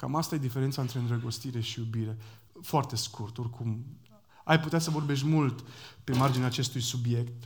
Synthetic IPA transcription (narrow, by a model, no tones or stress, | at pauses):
ka̰mast̪aje̞d̪ifeɾent̪saɨnt̪ɾe̞ɨnd̪ɾəɡo̞st̪iɾe̞ʃijubiɾe̞ | foart̪e̞skʰurt̪o̞rkʰum | ajput̪easəvo̞rbe̞ʃ̬t̪ʲmult̪pe̞mard͡ʒineaːt͡ʃe̞st̪ujsubje̞kt̪